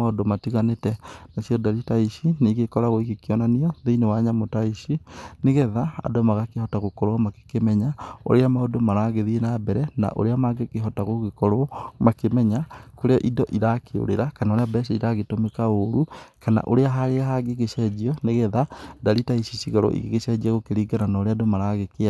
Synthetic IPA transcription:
aodomatiɣanetɛnasjɔdaɾitaiʃiniɣekɔɾaɣoiɣekiɔnaniɔðeinewaɲamotaiʃineɣɛðaa̰dɔmaɣakehɔtaɣokɔɾoamake̥kemɛɲao̰ɾeamaodomaɾaɣeðienabɛɾɛna̰ʔo̰ɾeamaɡekeɦɔtaɣoɣekɔɾomakemɛɲakoɾeɔʔidɔʔiɾakʰeo̰ɾḛɾakanaoɾeabɛʃiiɾaɣetomekaoɾukana̰ʔoɾeaɦaɾeaɦaɡeɣeʃɛd͡ʒiɔneɣɛðadaɾitaiʃiʃiɣaɾo̰ʔḭɣeɣeʃɛd͡ʒiaɣokeɾiːɡananaoɾeadomaɾaɣekea

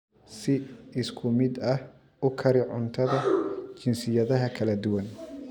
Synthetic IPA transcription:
sɪɪskʰʊmɪd̪ɐh | ʊkʰɐɾɪʕʊnt̪ʰɐðɐt͡ʃɪnsɪjɐðɐɦɐkʰɐlɐd̪ʊwɐn

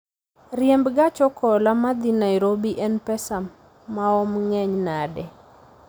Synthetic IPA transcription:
rjembɡat͡ʃɔkɔlamad̪inajɾobiʔɛnpɛsamː | aɔmŋɛɲnadɛ

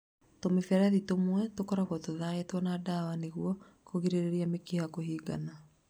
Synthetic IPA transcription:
tomifɛɾaðitomwɛtokɔɾaɣwɔtoðaetwɔnaːdawaneɣuɔ | koɣiɾeɾeɾiamekehakohiːɡa̰na

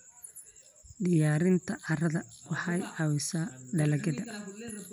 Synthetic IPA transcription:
ɖɪjaːɾɪnt̪ʰɐʔɐrɐðɐwɑħɑjɑwɪsaːɖɐlɐɡɐðɐ

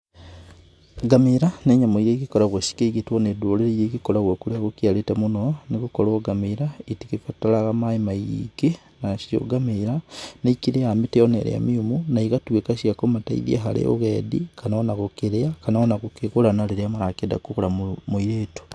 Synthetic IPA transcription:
ɡamiɾaneɲamoiɾekikoɾaɣwesi̥keiɡitwonedoleɾejekikolaɣwokuleakukialetemunonikukoloɡamiɾaitikifatalaɣamaimajḭɡe | naʃjo̰ɡameɾanaikiɾeamiteonḛɾ̰a̰miumunaiɣatwekaʃiakomataḭðia̰ɦa̰lḛo̰ɣeːdḭkanaonaɣukiɾeakanaonakukiɣulanaliɾeamaɾakeda̰kukulamumuiɾeːtu̥

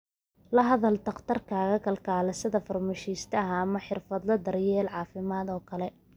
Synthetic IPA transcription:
lɐɦɐðɐlt̪ɐqt̪ʰɐrkʰaːɣɐkʰɐlkʰaːlɐsɐðɐfɐrmɛʃiːst̪ʰɐɦɐːmɐħɪrfɐd̪lɐd̪ɐrjɛːlʕɑːfɪmaːd̪ɔːkʰɐlɛ

